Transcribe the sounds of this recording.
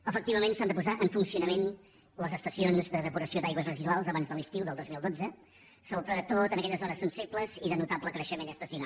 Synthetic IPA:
əfək̚t̪iβəmẽnsand̪əpuzaʔəɱfunsiunəmen | ləzəst̪əsionzd̪əðəpuɾəsiod̪ajɣwəzrəziðualˠzəβanzðəlˠist̪iwðəlˠd̪ozmilˠd̪od͡zə | sopɾəðət̪ot̪ənəkɛʎəzɔɾəsənsibləziðənut̪apləkɾəʃəmenəst̪əsiunalˠ

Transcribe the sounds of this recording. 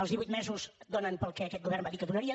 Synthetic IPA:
əlˠzðiβujt̪̚mɛzuzd̪onənpəlˠkɛːkɛt̪ɡuβɛrmbaðikəðunəɾiə

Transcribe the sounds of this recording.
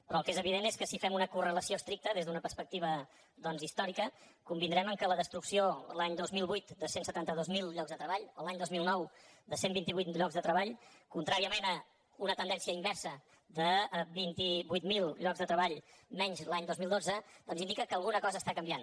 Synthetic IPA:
pɾɔəlˠkezəβiðeneskəsifɛmunəkurələsioəst̪ɾik̚t̪əðezðunəpəɾspək̚t̪iβ̞ə | d̪ɔnzist̪ɔɾikəkumbind̪ɾɛməŋkələðəst̪ɾuksiolaɲd̪ozmilˠβujt̪d̪əsensət̪ant̪əðozmilˠʎɔɡzðət̪ɾəβaʎolaɲd̪ozmilˠnɔwd̪əsembint̪iβujt̪ʎɔɡzðət̪ɾəβaʎkunt̪ɾaɾiəmenə | unət̪ənd̪ɛnsiəimbɛrsə | d̪əbint̪iβujt̪milˠʎɔɡzðət̪ɾəβaʎmɛɲzlaɲd̪ozmilˠd̪od͡zəd̪̥ɔnzind̪ikəkəlˠɣunəkɔzəːst̪akəmbian

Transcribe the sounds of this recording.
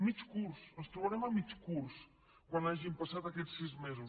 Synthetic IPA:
mit͡ʃkuɾsest̪ɾoβaɾemamit͡ʃkuɾs | kwãnd̪aʒempasaðakeʎsizmezu

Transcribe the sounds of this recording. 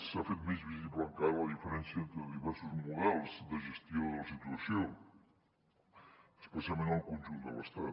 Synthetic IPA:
safet̪mezβiziβlãŋkaɾləðifəɾɛnsiəent̪ɾəðiβɛɾsuzmuðɛlˠzd̪əʒəst̪joləsit̪uəsjo | əspəsijalˠmẽnt̪əlˠkõnʲʒund̪ələ̰st̪at̪

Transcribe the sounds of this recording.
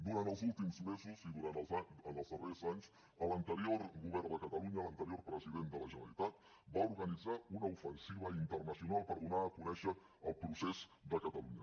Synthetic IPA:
d̪uɾant̪əlˠzulˠt̪imzmezuziðuɾanzaənəlˠzðərezaɲs | ələnt̪əɾioɾɣuβɛɾd̪əkət̪əluɲələnt̪əɾiorpɾəziðend̪ələʒənəlit̪at̪̚ | bauɾɣənid͡zaunəufənsiβ̞əint̪ərnəsiunalˠpəɾðunaəkunɛʃə | əlˠpɾusezd̪əkət̪əluɲə

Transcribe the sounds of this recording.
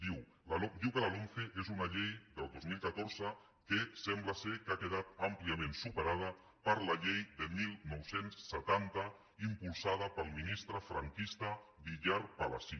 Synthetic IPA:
d̪iw | laod̪iwkələloɱfeʔezunaʎejd̪əlˠd̪ozmilˠkət̪oɾzə | kəsɛmbləsekakəð̞at̪əmpliəmẽnsupəɾað̞ə | pəɾləʎejd̪əmilˠnɔwsensːət̪ant̪ə | impulˠsað̞əpəlˠminist̪ɾəfɾə̰ŋkist̪əβiʎaɾpalə̰si

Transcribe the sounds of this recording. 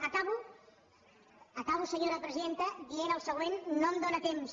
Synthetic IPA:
əkaβu | əkaβusəɲoɾəpɾəziðent̪əd̪ienəlˠsəɣwenːomd̪onət̪ems

